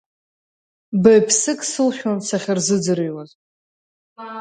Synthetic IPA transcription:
bejpʰsɨkʼsɨlχʲᶣansaχʲɪrzɨd͡zɨɾɨjwaz

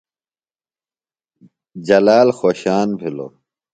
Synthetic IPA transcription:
d͡ʑɐlaːlxoːɕaːnbʱilo̰

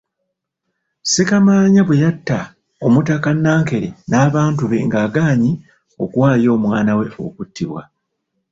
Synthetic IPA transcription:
sekamaːɲaβwejatːa | o̞mutakanːaːŋke̞ɾenaːβaːntuβe̞ŋɡaːɡaːɲi | o̞̰kuwaːjo̞ːmwaːnawe̞o̞̰kutːiβwa̰

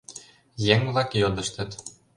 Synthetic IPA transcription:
jeŋvlˠɑkjod̪ɤ̆ʃt̪ɘ̆t̪

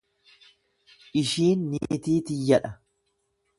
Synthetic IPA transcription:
ʔɪʃiːnːḭt̪iːt̪ɪjːɐᶑɐ

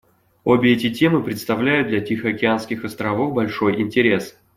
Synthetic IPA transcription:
obʲɪɛtʲɪtʲe̞mɨpɾʲɪt̪st̪ɐvlʲæjʊtd̪̚d̪lʲɐtʲixəɐkʲɪanskʲɪxɐst̪ɾɐvo̞fbɐlʲʂo̞jɪnʲtʲɪɾʲe̞s

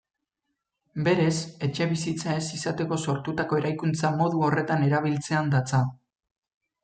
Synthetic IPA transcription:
be̞ɾe̞se̞t͡ʃe̞βisit͡sae̞sisat̪e̞ko̞so̞ɾt̪ut̪ako̞e̞ɾajkunt͡samo̞ðuo̞re̞t̪ane̞ɾaβ̞ilt͡se̞and̪at͡sa

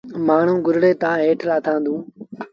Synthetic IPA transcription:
maːɳ̤ũːɡʊɾɽeːt̪ãːɦeːʈʰlaːt̪ʰãːnd̪ũː

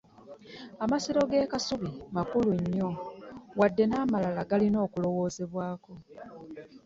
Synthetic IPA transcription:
amasiɾo̞ɡe̞ːkasuβimakuluɲːo̞wadːe̞naːmalalaɡalino̞ːkulo̞wo̞ːzeβwaːko̞

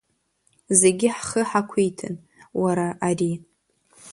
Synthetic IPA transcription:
ze̞ɡʲɪħχəħakʷʰijtʰɨ̰n | waɾaʔari

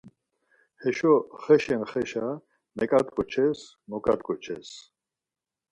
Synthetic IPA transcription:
hɛʃɔχɛʃɛnχɛʃa | mɛkʼat̪ʼkʼɔt͡ʃʰɛs | mɔkʼa̰t̪kʼɔt͡ʃʰɛ̰s

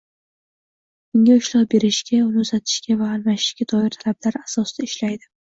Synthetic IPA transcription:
ʊŋʲaʊʃlawbe̞ɾɪʃɡʲaʊnɪzat̪ʰɪ̥ʃkʲavaːlmaʃɪ̥ʃɡʲad̪ɒɪɾt̪ʰalablaɾasɒsd̪aɪʃlajd̪ɪ

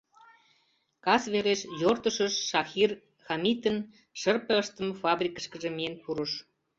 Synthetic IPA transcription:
kɑsβeɾeʃjort̪əʃəʃːɑxir | xɑmit̪ən | ʃərpəəʃt̪ə̆mfɑbrʲikəʃkə̆ʒĕmienpuɾə̆ʃ

